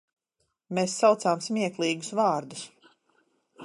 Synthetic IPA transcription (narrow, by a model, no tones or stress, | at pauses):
meːsːawt̪saːmsmʲiɛklˠiːɡusvɑːɾd̪us